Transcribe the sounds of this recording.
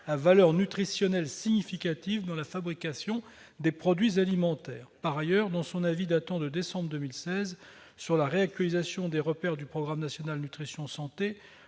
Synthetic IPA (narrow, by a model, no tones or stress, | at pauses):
avalœʁnyt̪χisjɔnɛlsiɲifikʲat̪ivd̪ɑ̃lafabʁikʲasjɔ̃ | d̪epχɔd̪ɥizalimɑ̃t̪ɛːʁpaʁajœʁd̪ɑ̃sɔ̃navid̪at̪ɑ̃d̪əd̪esɑ̃bʁd̪əmilsɛz | syʁlaʁeak̚t̪ɥalizasjɔ̃d̪eʁəpɛʁd̪ypχɔɡʁamnasjɔnalnyt̪χisjɔ̃sɑ̃t̪e